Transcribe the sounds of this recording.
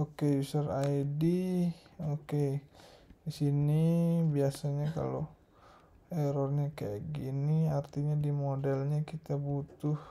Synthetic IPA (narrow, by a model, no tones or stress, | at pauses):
okeusarajdi | oke | isinibiasaɲaka̰lo | ɛɾɔrɲakaja̰ɡiniart̪iɲadimodɛlɲakit̪abut̪ʊh